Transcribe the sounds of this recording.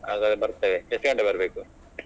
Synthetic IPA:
aːɡaːd̪bɐɾt̪ːɐʋed͡ʒɐsɡɐɳɖebɐɾɐbeːku

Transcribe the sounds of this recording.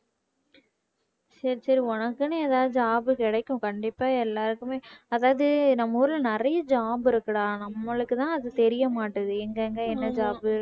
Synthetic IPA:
sɐɾisɐɾiɔnɐkːɯnɯeːðaːðɯd͡ʒaːbɯkɪɽɐɪkːʊ̃kɐɳɖɪpːaːɛlːaːɾɯkːɯmeːɐðaːʋɐðɯnɐmːɐːɾɯlnɪɾɐjɐd͡ʒaːbɪɾɯkːɽaːnɐmːɐɭɯkːɯt̪ãːɐðɯt̪ɛɾɪjɐmaːʈːɐðɯɛŋɡɐŋɡɐɛnːɐd͡ʒaːbɯ

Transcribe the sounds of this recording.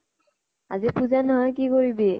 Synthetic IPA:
a̰zipuzanɔɦɔjk̬ikoɹibe

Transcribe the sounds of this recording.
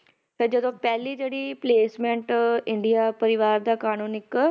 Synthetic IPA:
sɪɾd͡ʒəd̪õːpɛːliːd͡ʒeːɽiːpleːsmɛ̃ɳʈɪ̃ɳɖijaːpəɾɪʋaːɾd̪aːkaːnũːnɪk

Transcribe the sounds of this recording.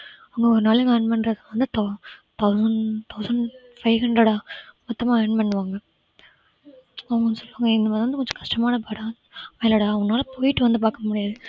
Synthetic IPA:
ɐʋɐŋɡɐɔɾɯnaːlɯŋɡɐɳɖmɐɳɖɾɐðɯʋɐnd̪ɯt̪ɐt̪ɐʊsɐɳt̪ʰɐʊsɐɳɖ | fɐɪɦɐɳɖɾɐɽaːmɔt̪ːɐmaːɳɖmɐɳɖʋaːŋɡɐ | ɐʋɐŋɡɐnsɔlːʋaːŋɡɐɪnd̪ɐmaːðɪɾʋɐnd̪ɯkɔɲd͡ʒɔ̃kɐ̥ʂʈɐmaːnɐpaːɽãː | meːlɐɽaːŋɡɐnaːlɐpoːjɪʈːɯʋɐnd̪ɯp̬aːɾkɐmʊɽɪjaːðɯ

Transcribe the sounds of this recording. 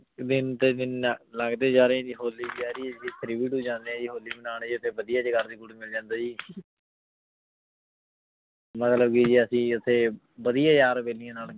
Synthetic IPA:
d̪ɪnt̪eːd̪ɪnləɡd̪eːd͡ʒaːɾẽːd͡ʒiːɦoːlːiːd͡ʒaːɾiːd͡ʒit̪ʰɾiʋiʈuːd͡ʒãːnd̪eːɛ̃ːd͡ʒiːɦoːlːiːmənaːnːd͡ʒiːʊt̪ʰeːbəd̪ɪjaːd͡ʒɡaɾd̪iːɡʊʈmɪld͡ʒãːnd̪aːd͡ʒiː | mət̪ləb̚kid͡ʒiːəsĩːʊt̪ʰeː | ʋəd̪ijaːjaːɾbeːlɪjãːnaːl

